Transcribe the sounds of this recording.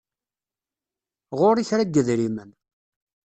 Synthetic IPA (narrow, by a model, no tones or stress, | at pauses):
ʁoɾiçɾaɡːəðɾimən